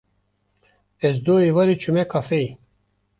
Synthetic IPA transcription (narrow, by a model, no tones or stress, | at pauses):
es̬d̪oːivɐɾit͡ʃʰumekʰɐfej